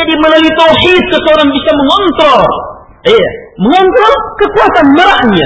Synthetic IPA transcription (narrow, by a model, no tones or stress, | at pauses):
adiməlalit̪awħid̪̚kəsəoɾaŋbisaməŋɔnt̪ɾɔr | jaməŋɔnt̪ɾɔrkəkuat̪anməɾaʔɲa̰